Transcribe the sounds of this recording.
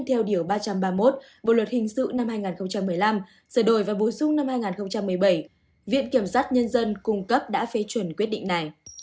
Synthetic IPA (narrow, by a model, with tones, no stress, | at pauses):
t̪ʰɛ˧wɗi˧˩əwɓaː˧t͡ɕa˧mɓaː˧mo˦˥t̚ | ɓo̰˧˨lwə˨˩t̚hï˨˩ŋ̟sɨ̰˧˨na˧mhaː˧jŋaː˨˩nxə˧wŋ͡mt͡ɕa˧mː˨˩əjla˧m | səː˧˩ɗo˧˩jvaː˨˩ɓo˨˩sʊ˧ŋ͡mna˧mhaː˧jŋaː˨˩nxə˧wŋ͡mt͡ɕa˧mːɨ˨˩əjɓə˧˩j | vḭ˧˨ənki˧˩əmswaː˦˥t̚ɲə˧nzə˧nkʊ˧ŋ͡mkə˦˥p̚ɗa̰ː˧˥fe˨˦t͡ɕwə˨˩nkwi˦˥ət̚ɗḭ˧˨ŋ̟na˨˩j